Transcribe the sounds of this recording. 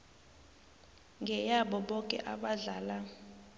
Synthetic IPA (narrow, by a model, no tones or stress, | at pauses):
ŋɡʱɛjaɓɔɓɔkʼɛ̰ʔaɓaɮaːla